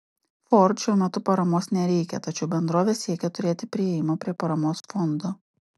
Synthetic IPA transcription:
fɔɾt̪ʃʲɛʊmʲɛt̪ʊpɐɾɐmoːsnʲɛɾʲɛɪkʲɛ̰t̪ɐt͡ʃʲɛʊbʲɛnd̪ɾoːʋʲeːsʲiɛkʲɛt̪ʊɾʲeːt̪ʲɪpʲɾʲɪɛjɪmoːpʲɾʲiɛpɐɾɐmoːsfɔnd̪oː

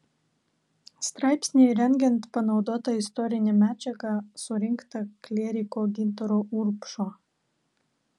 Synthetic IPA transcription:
st̪ɾɑˑɪpʲsʲnʲejɾʲɛŋʲɡʲɛnt̪pɐnɒʊd̪oːt̪ɐɪst̪ɔɾʲɪnʲɛmʲæːd͡ʒʲɛɡɑsʊɾʲɪŋkt̪ɐklʲɛːɾʲɪkoɡʲɪnt̪ɔɾoʔuɾpʃoː

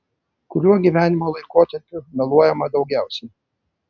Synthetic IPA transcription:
kʊɾʲuɔɡʲiʋʲæːnʲɪmoːlˠɐɪkoːt̪ʲɐɾʲpʲʊnʲɐlˠuɔjɛmɐd̪ɒʊɡʲæˑʊsʲɛɪ

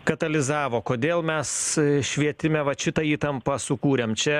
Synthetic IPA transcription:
kɐt̪ɐlʲɪzɑːʋoːkoːd̪ʲeːlˠmʲɛsʃʲʋʲiɛt̪ʲɪmʲɛʋɐt͡ʃʲɪt̪ɐiːt̪ɐmpɐsʊkuːɾʲeːmt͡ʃʲɛ

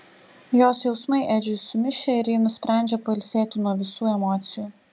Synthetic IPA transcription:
joːsjɛʊsmɐɪʔæːd͡ʒʲʊʊmʲɪʃʲɛɪɾjiːnʊsʲpʲɾʲæˑnʲd͡ʒʲɛpɐɪlʲsʲeːt̪ʲɪnuɔʋʲɪsuːɛmɔːt̪sʲɪjuː

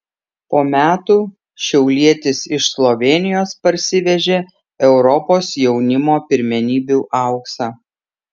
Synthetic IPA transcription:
poːmʲæːt̪uː | ʃʲɛʊlʲiɛt̪ʲɪsɪʃslˠɔʋʲeːnʲɪjoːspɐɾʲsʲɪʋʲɛʒʲeː | ɛʊɾɔpoːsjɛʊnʲɪmoːpʲɪɾʲmʲɛnʲiːbʲuːʔɑˑʊksɑː

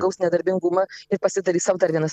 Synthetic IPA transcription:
ɡɐʊsnʲɛd̪ɐɾʲbʲɪŋɡʊmɐɪɾpɐsʲɪd̪ɐɾʲiːsɐʊd̪ɐɾʋʲiɛnɐs

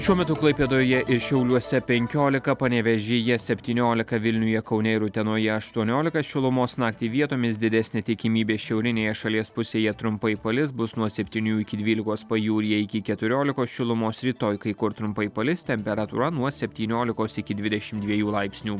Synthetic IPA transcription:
ʃʲuɔmʲɛt̪ʊklˠɐɪpʲeːd̪oːjɛʔɪɾʃʲɛʊlʲuɔsʲɛpʲɛŋʲkʲoːlʲɪkɐpɐnʲɛʋʲɛʒʲejɛsʲɛpʲt̪ʲiːnʲoːlʲɪkɐʋʲɪlʲnʲʊjɛkɐʊnʲɛɪɾʊt̪ʲɛnoːjɛɐʃt̪uɔnʲoːlʲɪkɐsʃʲɪlˠʊmoːsnɑːkt̪ʲiːʋʲiɛt̪oːmʲɪsd̪ʲɪd̪ʲɛsʲnʲeːt̪ʲɪkʲɪmʲiːbʲeːʃʲɛʊɾʲɪnʲeːjɛʃɐlʲiɛspʊsʲeːjɛt̪ɾʊmpɐɪpɐlʲɪsbʊsnuɔsʲɛpʲt̪ʲiːnʲuːɪkʲɪd̪ʲʋʲiːlʲɪkoːspɐjuːɾʲɪjɛɪkʲɪkʲɛt̪ʊɾʲoːlʲɪkoːsʃʲɪlˠʊmoːsɾʲiːt̪oːjkɐɪkʊɾt̪ɾʊmpɐɪpɐlʲɪst̪ʲɛmʲpʲɛɾɐt̪ṵɾɐnuɔsʲɛpʲt̪ʲiːnʲoːlʲɪkoːsɪkʲɪd̪ʲʋʲɪd̪ʲɛʃʲɪmd̪ʲʋʲiɛjuːlˠɐɪpʲsʲnʲuː

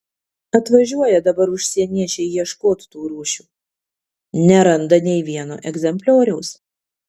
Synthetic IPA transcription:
ɐt̪ʋɐʒʲuɔjɛd̪ɐbɐɾʊʃʲsʲiɛnʲiɛt͡ʃʲɛɪjiɛʃkoːt̪ʲt̪uːɾuːʃʲuː | nʲɛɾɐnd̪ɐnʲɛɪʋʲiɛno̰ːʔɛɡzʲɛmʲpʲlʲoːɾʲɛʊs

